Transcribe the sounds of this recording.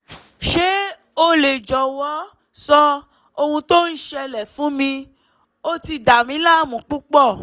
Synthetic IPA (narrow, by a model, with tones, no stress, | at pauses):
ʃe˨˦ | o˧le˨d͡ʒɔ˨wɔ˨˦ | sɔ˦ | o˧hũ˧to˦n̩˦ʃɛ˧lɛ˨fũ˨˦mĩ˧ | o˦ti˧da˨mĩ˨˦la˦mũ˨˦k͡pu˦k͡pɔ˦˨